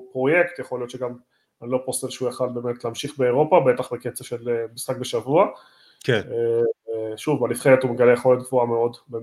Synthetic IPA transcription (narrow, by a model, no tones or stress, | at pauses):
pʁo̞jekt̪jaχo̞lijo̞t̪ʃeɡam | lo̞postelʃeujaχalbe̞ːmetleːmʃiχbeːʁo̞pabetaχbeket͡saʃelemisχakbeʃavua | kene | ʃuvalifχeʁet̪umeɡaleeχolet̚ɡvuameo̞dbe